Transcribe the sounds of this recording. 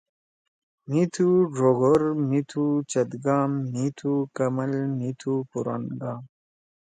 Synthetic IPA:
mit̪ʰuʐoɡoɾmit̪ʰut͡ɕɐt̪ɡaːmnit̪ʰukəməlnit̪ʰupuɾa̰nɡaːm

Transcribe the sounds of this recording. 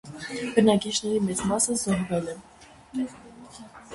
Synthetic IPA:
b̥ənɑkit͡ʃnɛɾimɛt͡smɑsəzɔɦvɛlɛ

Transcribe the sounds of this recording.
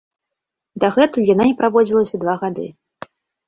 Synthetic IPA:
d̪ɐɣɛt̪ujananʲɛpɾavɔd͡zʲilˠɐsʲɐd̪vaɣad̪ɨ̰

